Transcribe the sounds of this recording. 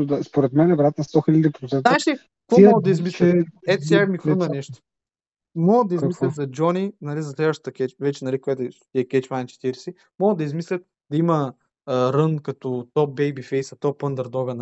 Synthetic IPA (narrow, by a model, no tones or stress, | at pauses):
d̪ɐspoɾɛt̪mɛnɛvɾjat̪nst̪ɔxilʲɐd̪ʲipɾot̪sɛnaʃi | k̪vɔmɡəd̪d̪ɐizmislʲɛɛt̪sɛmixunɐnɛʃt̪o̥ | mɔɡəd̪ɐizmislʲɐt̪zɐd͡ʒɔninɐlizɐslʲɛvəʃt̪ə̥t̪ɐkʲɛt͡ʃvɛt͡ʃɛnɐlikoɛt̪ʃt̪iɛkʲɛt͡ʃmajnt͡ʃɛ̥t̪iɾɛsi | mɔɡəd̪ɐizmislʲɐt̪̚ | d̪ɐimɐː | ɾɤnkɐt̪ɔt̪ɔp̚bɛjbifɛjsɐt̪ɔpənd̪ɐɾd̪ɔɡɐn